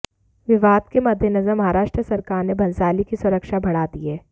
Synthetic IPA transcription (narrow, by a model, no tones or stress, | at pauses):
ʋɪʋaːd̪kemɐd̪ʱːjənɐzəɾmɐɦaːɾaːʃʈɾəsɐɾkaːɾnebʱɐ̃nsaːlikisʊɾəkʃabʱɐɽaːd̪iɦɛː